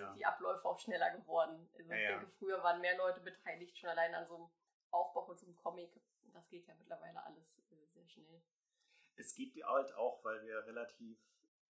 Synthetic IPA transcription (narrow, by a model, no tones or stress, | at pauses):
d̥iːʔa̰plɔʏfəaʊxʃnɛlɐɡəvɔɐdn̩ʔalzoɪçɛŋkəfʁ̥yːɐvaːʁənmeːɐlɔʏtəbətʰaɪlɪçtʃoːnalaɪnəanzoːəm | ʔaʊfb̥aʊxʊnzoːmkʰɔmɪk | ʊntd̥asɡ̥eːtʰjaːmɪtlɐvaɪlə̰ʔa̰ləsʔɛːzeːɐʃnɛl | ʔɛsɡ̥iːp̚td̥iʔaltʰa̰ʊxv̥aɪlviːɐʁelatʰiːf